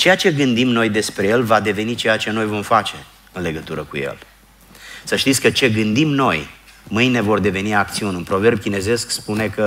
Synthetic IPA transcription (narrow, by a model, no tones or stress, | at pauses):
t͡ʃe̞jat͡ʃe̞ɡɨnd̪imno̞jd̪e̞spɾe̞je̞lvad̪e̞ve̞nit͡ʃe̞jat͡ʃe̞no̞jvo̞mfat͡ʃe̞ | ɨnle̞ɡət̪uɾəkṵje̞̰l | səʃt̪it̪sʲkət͡ʃe̞ɡɨnd̪imno̞jmɨjne̞vo̞rd̪e̞ve̞niakt̪siunʲɨnpɾo̞ve̞rbkʲine̞ze̞skspune̞kə